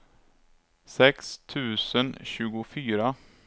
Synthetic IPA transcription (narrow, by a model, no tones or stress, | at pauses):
sɛkst̪ʰʉ̟ːsənɕʉ̟ːɡʊfyːɾa